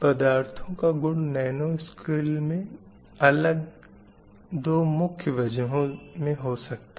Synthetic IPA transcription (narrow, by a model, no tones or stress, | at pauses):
pɐd̪aːɾt̪ʰõkaɡʊɽnɛːnoskɪlmẽ | ɐləɡ | d̪oːmʊkʰjəʋɐd͡ʒəɦõmẽɦosɐkt̪a